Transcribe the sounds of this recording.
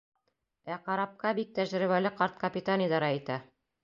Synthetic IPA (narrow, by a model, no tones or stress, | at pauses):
æqɑɾɑp̚qɑbik̚t̪æʒɾɘ̆βælɘqɑɾt̪̚kɐpʲɪt̪anʲɪjd̪ɑɾɑit̪æ